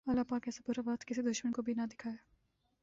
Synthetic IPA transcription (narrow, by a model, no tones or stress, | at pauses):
ɐlːapaːkɛːsapuːɾabaːt̪kɪsid̪ʊʃmənkobʱinɐd̪ɪkʰaːe